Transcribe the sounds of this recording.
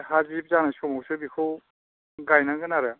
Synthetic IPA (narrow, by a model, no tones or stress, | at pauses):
hazip̚zanajsɔmɔwsɯbikʰɯw | ɡajnaɡɯnaɾa